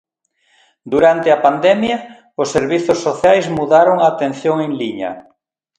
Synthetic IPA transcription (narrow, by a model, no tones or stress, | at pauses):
d̪uɾant̪eɪɐpand̪ɛmjɐ | ʊsːeɾβiθʊsːoθjajzmuðaɾoŋaːt̪ẽn̟θjoŋeŋliɲɐ̰